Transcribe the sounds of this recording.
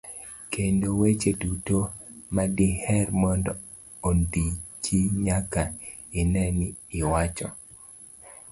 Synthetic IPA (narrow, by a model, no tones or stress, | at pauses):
kʰendowet͡ʃedutomadihɛrmɔndɔ | ondit͡ʃiɲaka | ɪnɛnɪwat͡ʃɔ̰